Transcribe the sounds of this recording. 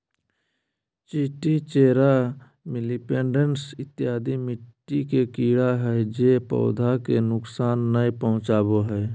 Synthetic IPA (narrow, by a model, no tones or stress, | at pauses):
t͡ʃiːʈit͡ʃeːɾa | mɪlipeːɳɖənsɪt̪ːɪjaːd̪imɪʈːikekiːɽaɦɛd͡ʒeːpɔ̰ʊd̪ʱakenʊksaːnːəjpəɦʊ̃t͡ʃaːboɦɛː